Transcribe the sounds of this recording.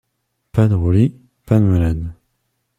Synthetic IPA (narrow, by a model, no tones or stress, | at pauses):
pad̪ʁuli | panmalad̪